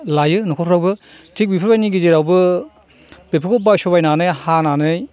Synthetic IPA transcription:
lajɯnɔkʰɔpʰɾawbɯ | tik̚bipʰɯɾbajniɡiziɾawbɯ | bepʰɯkʰɔbajsɔbajnanɯjhananɯj

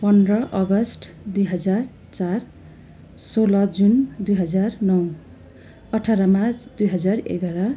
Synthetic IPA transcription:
pʌnrʌʔʌɡʌsʈd̪ujɦʌd͡zar | t͡sar | solʌd͡zund̪ujɦʌd͡zarnʌw | ʌʈʰaɾʌmad̪ujɦʌd͡zarḛɡaɽʌ

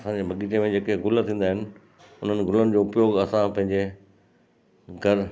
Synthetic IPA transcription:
sãd͡ʑebʱɐɠiːʈemẽd͡ʑeːkeɡʱʊlt̪ʰĩːn̆d̪aːɦɪnɪ̆ | ʊn̤ənɪ̆ɡʱʊlənɪ̆d͡ʑoːʊpjoːɡɐsãpɐ̃ɦɪ̃ɲd͡ʑe | ɡʱɐɾ

